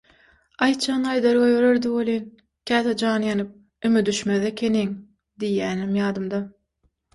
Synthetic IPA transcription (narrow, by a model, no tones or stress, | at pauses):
ɑjt̪t͡ʃʰɑːnɑjd̪ɑɾɣɑjøɾøɾd̪iwolˠin | kʲʰæːt̪ed͡ʒɑːnɯjɑnɯp̚ | ymyd̪yʃmeðekʲʰeneŋ | d̪ijːæːnimjɑːd̪ɯmd̪ɑ